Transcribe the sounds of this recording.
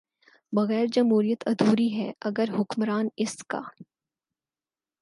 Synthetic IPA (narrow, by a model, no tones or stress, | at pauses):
bɐɣɛːɾd͡ʒɐmɦuːɾijət̪ʰɐd̪uːɾiɦɛɐɡəɾɦʊkmɾaːnɪska̰ː